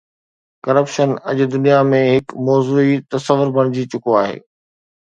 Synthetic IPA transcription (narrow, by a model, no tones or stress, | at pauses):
kɐɾəpʃənɐʄd̪ʊnijamẽɦɪkmɔːzuːit̪ɐsəʋʊɾbʱɐɽ̃ɪd͡ʑit͡ɕʊkoaːɦḛː